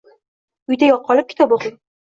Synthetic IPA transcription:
ʊjd̪ajɒqʰːɒlˠɪp̚kʲʰɪ̥t̪ʰɒboχɪ

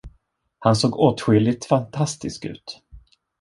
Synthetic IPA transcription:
hansoːɡoːt̪ɧʏlːɪt̪fant̪ʰast̪ɪskʉ̟̰ːt̪

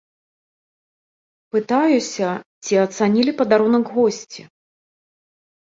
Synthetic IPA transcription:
pɨt̪ajusʲɐt͡sʲiɐt̪sanʲilʲipɐd̪aɾɔnɐɡɣɔsʲt͡sʲi

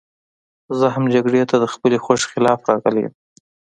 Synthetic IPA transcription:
zəɦamd͡ʒaɡɽet̪ad̪əxpəlexwaʂxɪlɑfɾɑɣəlḛm

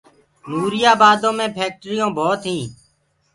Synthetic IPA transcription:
nuːɾɪjaːbaːd̪õːmẽːpʰeːk̚ʈɾijõːbʱoːt̪ɦĩː

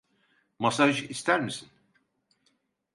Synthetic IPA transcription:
masaʒist̪ʰæɾmisin

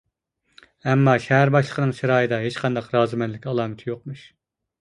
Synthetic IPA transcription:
ɛmːɑʃɛɦæɾbɑʃlˠə̥qʰənɨŋʃiɾɑːjd̪ɑɦet͡ʃqʰɑnd̪ɑqɾɑːzɨmɛnlːɪkʲɑlˠɑːmɪt̪ʰjoq̚muʃ

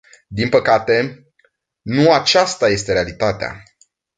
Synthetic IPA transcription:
d̪inpəkat̪e̞ | nuat͡ʃast̪aje̞st̪e̞ɾealit̪at̪ea̰

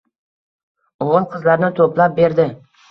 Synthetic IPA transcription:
oʁɨlˠqʰɨzlaɾnɪt̪ʰoplap̚be̞ɾd̪ɪ

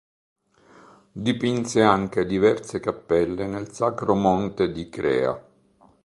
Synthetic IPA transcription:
d̪ipinseaŋk̟ed̪ivɛrsekapːɛlːenelsakɾomɔnt̪ed̪ikɾɛ̰ːa̰

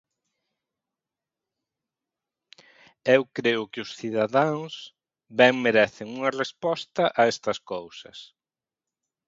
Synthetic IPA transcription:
ewkɾeʊkɪʊsθiðaðãŋs | bɛŋmeɾɛθɪŋuŋɐrespɔst̪ɐʔaɛst̪ɐskowsɐ̰s

